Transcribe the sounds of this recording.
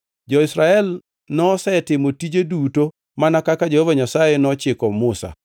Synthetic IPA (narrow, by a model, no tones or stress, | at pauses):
d͡ʒɔɪsɾaɛl | nɔsɛtɪmotid͡ʒeduto | manakakad͡ʒehovaɲasajenɔt͡ʃɪkɔmʊsa̰